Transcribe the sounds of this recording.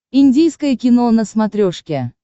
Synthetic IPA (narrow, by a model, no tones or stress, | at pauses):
inʲdʲijskəjəkʲɪnonəsmat̪ɾʲoʂkʲe